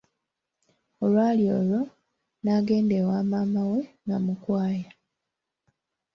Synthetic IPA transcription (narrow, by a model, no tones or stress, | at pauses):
o̞lwaːljo̞ːlo | naːɡe̞ːndewaːmaːmawe̞ŋɡamukwaːja